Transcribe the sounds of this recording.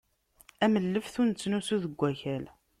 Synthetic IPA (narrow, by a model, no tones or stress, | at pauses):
æməlːəfθunt͡sːnusuðəɡʷːæçæl